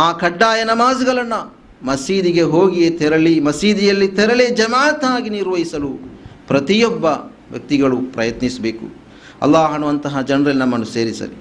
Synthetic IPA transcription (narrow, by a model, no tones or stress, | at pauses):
aːkʰɐɖːaːjɐnɐmaːzɐɡɐɭɐnːɐ | mɐsiːd̪iɡe̞ɦoːɡijet̪ɛɾɐlimɐsiːd̪ijɐlːit̪ɛɾɐled͡ʒɐmaːt̪aːɡiniɾʋɐɦisɐlupɾɐt̪ijɔbːɐ | ʋjɐ̰k̚t̪iɡɐɭupɾɐjɐt̪nisɐbeːkṵ | ɐ̰lːaːɦɐnuʋɐnt̪ɐɦɐd͡ʒɐnɾɐlːinɐmːɐnːuse̞ːɾisɐ̰li